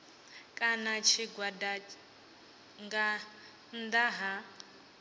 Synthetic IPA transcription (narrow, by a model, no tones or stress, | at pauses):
kʼanat͡ʃʰiɡwada | ŋɡa | nd̪aɦa